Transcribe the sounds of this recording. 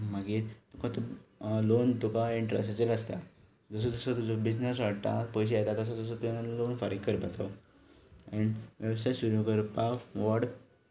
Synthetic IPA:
maɡiːɾt̪ukʰãt̪lont̪ukaiɳʈɾḛsat͡ɕeləst̪a | d͡zəs̬əd͡zəsət̪ud͡zabid͡znəs̬ʋaɽt̪a̰pəjɕ̬eat̪akəsad͡zəs̬ət̪ujãlonfaɾiɡkəɾpat̪ʰa | ɛ̃ɳʋjəʋsajsuɾjukəɾpaʋɔɽ

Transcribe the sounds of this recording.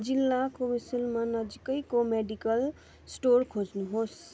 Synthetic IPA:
d͡zilːakobisilmanʌd͡ʒikʌjkomeɖikʌl | sʈorkʰod͡znuɦos

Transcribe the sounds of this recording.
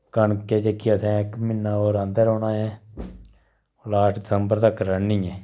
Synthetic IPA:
kəɳkeːd͡ʒekːiəsɛ̃ːɪkmɪnːaːoːɾə̃nd̪əɾoːnãːɛ̃ː | oːlaːʈʰdɪsəmbəɾt̪əkɾənːiːɛ̃ː

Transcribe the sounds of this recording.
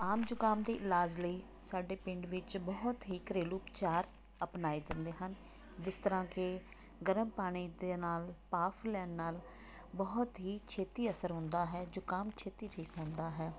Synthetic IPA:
aːmd͡ʒʊkaːmd̪iːʔɪlaːd͡ʒləiː | saːɖeːpɪ̃ɳɖʋɪt͡ʃbɔːt̪ɦiːkɾeːluːpt͡ʃaːɾ | əpnaːed͡ʒə̃nd̪eːɦən | d͡ʒɪst̪əɾãːkɪ | ɡəɾəmpaːɽ̃iːd̪eːnaːlpaːpʰlɛːnːaːl | bəɦʊt̪ɦiːt͡ʃʰeːt̪iːəsəɾɦʊ̃nd̪aːɦɛːd͡ʒʊkaːmt͡ʃʰeːt̪iːʈʰiːkɦʊ̃ːnd̪aːɦɛː

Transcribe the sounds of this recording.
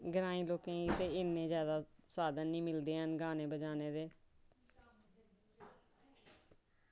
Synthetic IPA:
ɡəɾãːĩːloːkẽːit̪eːɪnːẽːzjaːd̪aːsaːd̪ənːĩːmɪld̪eːɦənɡaːneːbəd͡ʒaːneːd̪eː

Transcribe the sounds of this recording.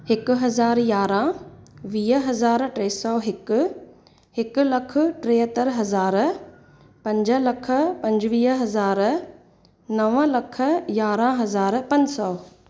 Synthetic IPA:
hɪkʊɦɐzaːɾjaːɾãʋiːɦɐzaːɾʈɾeːsɔːɦɪkʊ̆ | hɪkʊ̆lɐkʰʊ̆ʈɾeːɦət̪əɾɦɐzaːɾ | pɐ̃ɲd͡ʑəlɐkʰə̆pɐ̃ɲd͡ʑʋiːɦɦɐzaːɾ | nɐʋəlɐkʰə̆jaːɾãɦɐzaːɾpɐ̃ɲd͡ʑsɔː

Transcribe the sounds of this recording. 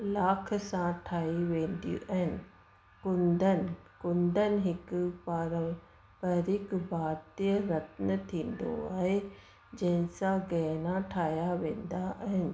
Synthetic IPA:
laːkʰsãʈʰaːiʋẽːnd̪jṵʔɐɦɪnɪ | kʊnd̪ənkʊnd̪ənɦɪkpaːɾə̃m | pəɾɪkbaːt̪jjəɾɐt̪nət̪ʰĩːnd̪o̰aːɦe | d͡ʒɐ̃ɦɪ̃sãɡɛːnaʈʰaːjaʋẽːnd̪aʔɐɦɪnɪ̆

